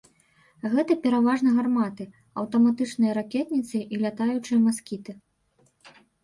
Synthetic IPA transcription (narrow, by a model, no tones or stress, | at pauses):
ɣɛt̪ɐpʲɛɾavaʐnɐɣarmat̪ɨ | ɐwt̪ɐmat̪ɨt͡ʂnɨjɐɾakʲɛt̪nʲit̪sɨʔilʲat̪ajut͡ʂɨjɐmaskʲit̪ɨ